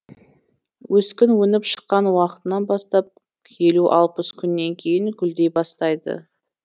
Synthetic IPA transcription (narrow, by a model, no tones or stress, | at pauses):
wɵskʲɪnwɵnɪpʃə̥qːɑnwɑqə̥t̪ənɑnbɑst̪ɑp̚ | kʲʰe̞luʔɑlˠpəskʲʰʏnːe̞ŋkʲʰe̞jɪŋkʲʏld̪e̞jbɑst̪ɑjd̪ə̰